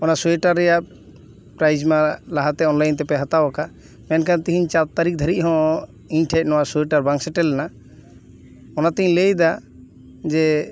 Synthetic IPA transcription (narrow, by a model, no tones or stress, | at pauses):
ɔnasuɛʈaɾːɛjaʔ | pɾajd͡ʒmalaɦat̪ɛɔnlajnt̪ɛpɛɦat̪awaka | mɛnkʰant̪iɦiɲt͡ʃat̪̚t̪aɾik̚d̪ʱəɾic̚ɦɔ̃ | iɲʈʰɛc̚ˀnɔwasuɛʈaɾbãŋksɛʈɛlːɛna | ɔnat̪ɛiɲlejd̪a | d͡ʒɛ